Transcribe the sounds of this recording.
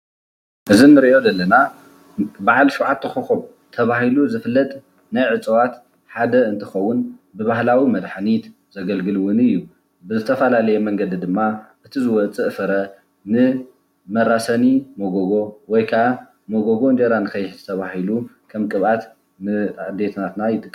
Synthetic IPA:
ʔɨzinːɨɾiʔo̞d̪ɐlːɐna | baʕalsuʕat̪ʰːɐxuxum | t̪ʰɐβahiluzɨfɨlːɐt̪ʼ | najʕɨt͡sʼɨwat̪ | ħad̪ɐɨnt̪ʰɨxɐwːʊnbɨβahlawimɐd̪ħnit̪ | z̥ɐɡɐlɡɨlɨwʊnɨjːu | bɨzɨt̪ʰɐfɐlalɐjɛmɐŋɡɐd̪id̪ɨmːaʔɨt̪ʰizɨwɐt͡sʼɨʔfɐɾɐ | nɨ | mɐɾasɐnimoɡoɡo̞wɔjkʰaʔa | moɡoɡo̞ɨnd͡ʒ̪eɾanɨkʰɐjːɪħzɨt̪ʰɐβahilu | kʰɐmkʼɨβʔat̪ | nɨʕɨd̪et̪nat̪najɪt̪ʼɨkʼː

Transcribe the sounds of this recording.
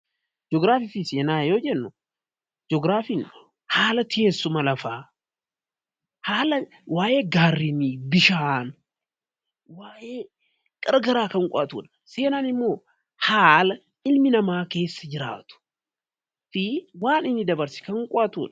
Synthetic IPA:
d͡ʒɔɡɾaːfɪfɪseːnaːjoːd͡ʒɛnːʊ | d͡ʒɔɡɾaːfin | haːlɐt̪ɪeːsːʊmɐlɐfaː | haːlɐ | waːjʔe̞ːɡaːrːinibɪʃaːn | waːjeː | ɡ̥ʼɐɾɡɐɾaːkɐŋkʼʊʔɐt̪ṵːᶑɐ̥ | se̞ːnaːnɪmːo̞ː | haːlɐ | ɪlmɪnɐmaːke̞ːsːɐd͡ʒɪɾa̰ːt̪ʊ̥ | fɪwaːnɪnːɪd̪ɐbɐɾsɪ̥kɐŋkʼɔʔɐt̪ṵːᶑɐ̥

